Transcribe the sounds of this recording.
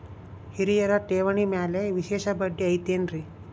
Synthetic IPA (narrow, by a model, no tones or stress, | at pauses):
hiɾijɐɾaʈeʋəɳimaleʋiɕeʃabəɖːiɐjt̪enɾi